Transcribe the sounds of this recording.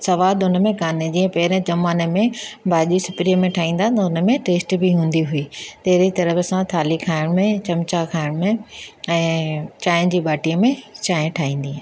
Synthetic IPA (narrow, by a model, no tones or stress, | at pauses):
sɐʋaːd̪ʊnə̆mẽkaːned͡ʑĩːə̃pɐɦɪɾə̃d͡ʑɐmaːnəmẽbʱaːʄisʊpɾijəmẽʈʰaːɦĩːnd̪at̪ɐʊnə̆mẽʈeːsʈbʱiɦũːn̆d̪iɦʊiːt̪ɐɦɾit̪ɐɾəfəsãt̪ʰaːlikʰaːɪɽ̃mẽt͡ɕɐmt͡ɕakʰaːɪɽ̃mẽɛ̃ːt͡ɕaːɪ̃d͡ʑiːɓaːʈijəmẽt͡ɕaːɪ̃ʈʰaːɦĩːn̆d̪ĩː